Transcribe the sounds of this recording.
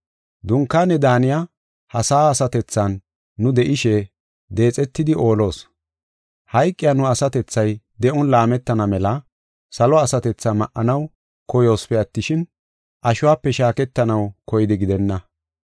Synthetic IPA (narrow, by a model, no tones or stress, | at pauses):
d̪ʊŋkːaːnːɛd̪aːnɪja | hɐsaːsɐt̪ɛt͡sːɐnː | ʊd̪ɛʔɪʃɛ | d̪e̞ːt͡sʼɛt̪ːɪd̪ɪʔo̞ːlo̞ːs | hɐjkʼːɪjanʊɐsɐt̪ɛt͡sːɐjd̪ɛʔɔnlaːmɛt̪ːɐnɐmɛlɐ | sɐlɔɐsɐt̪ɛt͡sːamɐʔːɐnɐw | kɔjo̞ːspɛɐt̪ːɪʃɪn | ʔɐʃʊwaːpːɛʃaːkɛt̪ːɐnɐwkɔjɪd̪ɪɡɪd̪ɛnːɐ